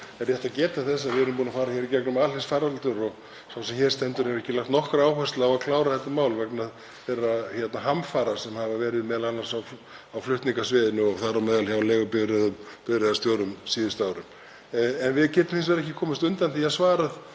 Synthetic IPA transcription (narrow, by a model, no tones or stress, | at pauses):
ɛrɾjɛht̪aðcɛːt̪aθɛsːaðvɪɛɾʏmpuːnafaːɾaçɛːɾicɛknʏmalɪst̪faːɾalt̪ʏɾɔɣ | sawsɛmçɛɾ̥st̪ɛnt̪ʏɾ̥hɛvɾɛhcɪlakt̪nɔhkɾaaːwhɛst̪laːwaðkʰlaːwɾaθɛht̪ːamaːwlvɛknað | vɛːɾaçɛt̪naɦamfaɾasɛmhavavɛːɾɪðmɛːðalanːansaw | awflʏht̪niŋkasvɛːðɪnʏɔɣθaːɾamɛːðalçjawleːɣʏpɪðɾɛðʏm | pɪðɾɛðast̪joːwɾʏmsiːðɪst̪aːwɾʏm | ɛnvɪðcɛːt̪ʏmhɪns̬vɛɾɛhcɪkʰɔːmɪst̪ʏnt̪anθiaðsvaːɾað